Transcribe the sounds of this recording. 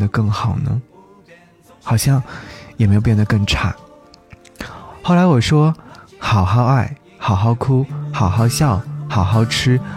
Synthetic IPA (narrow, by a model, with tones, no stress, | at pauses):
d̪ə˨˩kɤ˥˩ŋxɑ˨˩ʊnə̰˦ | xɑ˨˩ʊɕjɑ˥˩ŋjɛ˨˩m˧˥jo˨˧˩jɛ˥˩nd̪ə˧kɤ˥˩ŋʈ͡ʂʰa̰˥˩ | xo˥˩ʊla˧˥ɪwɔ˨˩ʂwɔ˥xɑ˨˩ʊxɑ˥˧ʊa˥˩ɪ | xɑ˨˩ʊxɑ˥˧ʊkʰu˥xɑ˨˩ʊxɑ˥˧ʊɕjɑ˥˩ʊxɑ˨˩ʊxɑ˥˧ʊʈ͡ʂʰɻ̩˥